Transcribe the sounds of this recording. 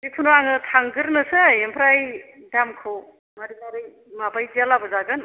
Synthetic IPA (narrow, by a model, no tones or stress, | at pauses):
bipʰunoaŋɯtʰaŋɡɯɾnɯsɯjempʰɾaj | damkʰɯw | maɾinaɾɯj | mabajd͡ʒalabɯzaɡɯn